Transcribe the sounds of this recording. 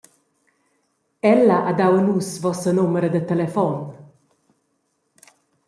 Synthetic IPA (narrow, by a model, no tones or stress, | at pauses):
ɛlːaʔad̪awnuːsvɔsənoməɾəd̪ət̪ɛlefɔn